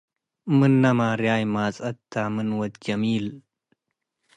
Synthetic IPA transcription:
mɨnːɐmaːɾjaːjmaːt͡sʼɐt̪ːamɨnwɐt̪̚d͡ʒɐmiːl

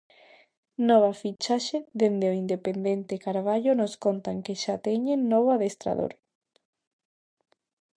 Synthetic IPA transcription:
nɔβafit͡ʃaʃeðend̪eoind̪epend̪ent̪ekaɾβ̞aʎonoskont̪aŋkeʃat̪ɛɲenːɔβaðest̪ɾa̰ðo̰ɾ

